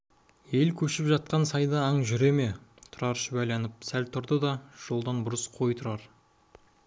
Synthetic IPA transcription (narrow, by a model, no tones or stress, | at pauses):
e̞lkʲʰɵʃɪpʒɑt̪̚qɑnsɑjd̪ɑːɴʒʏɾe̞me̞t̪ʰʊɾɑɾʃəbæjlɑnɪp̚sælt̪ʰʊɾd̪əd̪ɑʒ̥olˠd̪ɑnbʊɾəsqʰo̞jt̪ʰʊɾɑɾ